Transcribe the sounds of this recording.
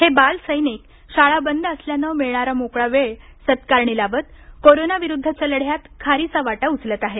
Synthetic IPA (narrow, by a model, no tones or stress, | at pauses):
hebalsəjnek | ɕaɭabənd̪ʱəsljanəmeɭɳaɾamokɭaʋeɭ | sət̪kaɾɳilaʋət̪̚ | koɾonaʋiɾud̪ʱːət͡ɕəlɽ̤jat̪kʰaɾit͡saʋaʈaut͡slət̪aɦe